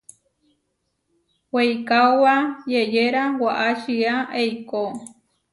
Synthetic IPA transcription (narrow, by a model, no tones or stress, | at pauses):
wejkawajejeɾawaʔaʃɨaʔejko